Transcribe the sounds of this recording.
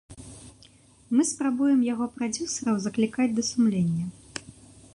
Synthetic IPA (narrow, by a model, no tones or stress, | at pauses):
mɨspɾabujɛmjaɣɔpɾad͡zʲusɐɾɐwzɐklʲikad͡zʲd̪ɐsumlʲenʲːɐ